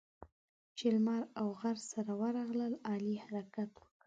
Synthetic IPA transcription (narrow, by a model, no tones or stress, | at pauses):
t͡ʃɪlmɑɾawɣaɾsaɾawaɾɑɣləlɑlihaɾakat̪wə̥kə